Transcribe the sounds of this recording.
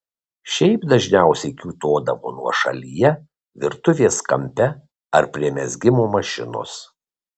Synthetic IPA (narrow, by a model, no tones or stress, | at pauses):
ʃʲɛɪpd̪ɐʒʲnʲæˑʊsʲɛɪkʲuːt̪oːd̪ɐʋo̰ːnuɔʃɐ̰lʲijɛ | ʋʲɪɾt̪ʊʋʲeːskɐ̰mʲpʲɛ | ɐɾpʲɾʲiɛmʲɛzʲɡʲɪmoːmɐʃʲɪ̰no̰ːs